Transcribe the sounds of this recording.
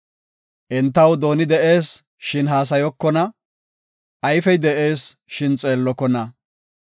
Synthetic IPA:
ʔɛnt̪̬ːɐwd̪o̞ːnɪd̪ɛʔe̞ːs | ʃɪnɦaːs̬ɐjɔkːɔnɐ | ʔɐjfɛjd̪ɛʔe̞ːsʃɪnt͡sʼe̞ːlːɔkːɔnɐ

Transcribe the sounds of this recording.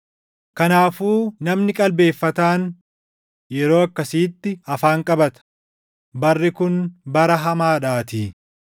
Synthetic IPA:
kɐnaːfuːnɐmnɪkʼɐlbe̞ːfːɐt̪aːn | jɛɾo̞ːɐkːɐsiːt̪ːɪɐfaːŋkʼɐbɐt̪ɐ̥ | bɐrːɪkʊnbɐɾɐɦɐmaːᶑaːt̪iː

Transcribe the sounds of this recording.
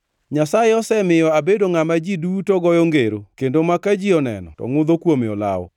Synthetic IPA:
ɲasajeɔsɛmɪjɔabedoŋamad͡ʒidutɔɡɔjɔŋɡeɾokendomakad͡ʒiɔnɛ̰nɔ̰tɔ̰ŋʊd̪okwomeɔla̰ɔ̰

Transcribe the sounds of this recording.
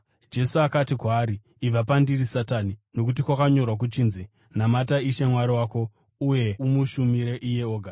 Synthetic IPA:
d͡ʒe̞suakatikwaːɾiː | ʋapandirisatanino̞k̬ut̬ikwakaɲo̞rwak̬ut͡ʃiːnze | namataiʃemwaɾiwaːko̞ | uje̞umuʃumiɾeʔije̞oːɡʱa

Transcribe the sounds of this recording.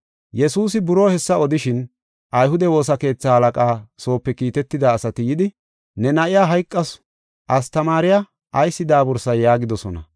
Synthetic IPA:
jɛsuːsɪbʊɾo̞ːhɛsːɐɔd̪ɪʃɪn | ʔɐjhʊd̪ɛwo̞ːsɐke̞ːt͡sːaːhɐlɐkʼaːso̞ːpːɛkiːt̪ɛt̪ːɪd̪aːsɐt̪ɪjɪd̪ɪ | nɛnɐʔɪjaːɦɐjkʼːɐs | ʔɐst̪ɐmaːɾɪja | ʔɐjsːɪd̪aːbɔɾsɐjːaːɡɪd̪ɔsɔnɐ̰

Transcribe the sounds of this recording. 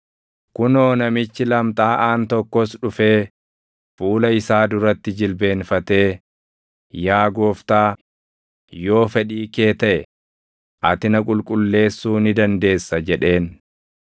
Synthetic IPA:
kʊno̞ːnɐmɪt͡ʃːɪlɐmt̪ʼaːʔaːnt̪ɔkːɔsᶑʊfe̞ː | fuːlɐɪsaːd̪ʊɾɐt̪ːɪd͡ʒɪlbe̞ːnfɐt̪e̞ː | jaːɡoːft̪aː | jo̞ːfɛᶑiːke̞ːt̪ɐʔɛ | ʔɐ̰t̪ɪnɐkʼʊlkʼʊlːe̞ːsːuːnɪd̪ɐnd̪e̞ːsːɐd͡ʒɛᶑe̞ːn

